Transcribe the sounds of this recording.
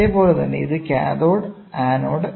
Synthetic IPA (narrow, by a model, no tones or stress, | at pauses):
eːpo̞ːlet̪ɐnːe̞̰iðɨkʲa̰ːðoːɽ | aːno̞ːɽ